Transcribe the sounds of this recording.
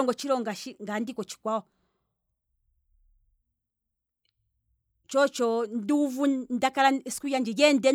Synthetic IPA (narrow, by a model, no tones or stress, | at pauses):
ɔŋɡɔt͡ʃiɾɔŋɡaʃiŋɡandikɔt͡ʃi̥kwaɔ | t͡ʃɔt͡ʃɔnduvundakaɾaskujand͡ʒiɡɛndɛ